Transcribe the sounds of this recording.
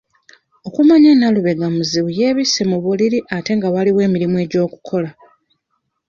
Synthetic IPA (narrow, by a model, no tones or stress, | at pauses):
o̞kumaɲenːaluβe̞ɡamuziβuje̞ːβisemuβuliɾiʔate̞ŋɡawaliwe̞ːmiɾimue̞ːɟo̞ːku̥kʰo̞la